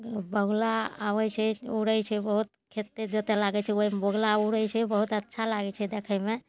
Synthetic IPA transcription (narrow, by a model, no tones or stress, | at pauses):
bəɡlaa̰ʋɛt͡ʃʰɛuɽəjt͡ʃʰɛbəɦut̪kʰet̪ːed͡ʒot̪elaɡɛt͡ʃʰɛoibəɡlauɽəjt͡ʃʰɛbəɦut̪ətːʃʰalaɡɛt͡ʃʰɛd̪ekʰəme